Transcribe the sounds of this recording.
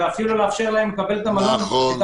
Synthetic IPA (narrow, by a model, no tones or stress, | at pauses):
eafiluleafʃeʁlahemːekabelt̪amalont̪